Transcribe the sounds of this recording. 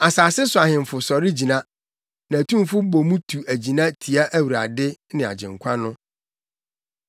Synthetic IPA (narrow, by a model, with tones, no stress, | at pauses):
a˨saː˨sɪ˦sʊ˨a˨hɪ̃˨m˨fʊ˨sɔ˨ɾɪ˦d͡ʑi˨nã˦ | nã˨tũ˦m˦fʊ˦bo˨mũ˦tʰu˨ʔæ˨d͡ʑi˨nã˦tʰi˨a˦ʔæ˦wu˨ɾa̰˨dɪ˦nɪ̃˨a̰˨d͡ʑɪ̰̃˨ŋ˨kʷʰa˦nʊ̃˦